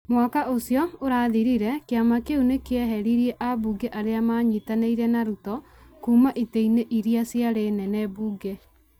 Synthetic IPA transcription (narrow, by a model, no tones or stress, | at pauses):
mwakaʔosiɔoɾaːðiɾiɾɛkeamakeunekeɛɦɛɾiɾieʔabuɡeʔaɾeamaːɲitaneiɾɛnaɾutɔ | kuːmaʔiteineʔiɾiasjaɾenɛnɛːbuːɡe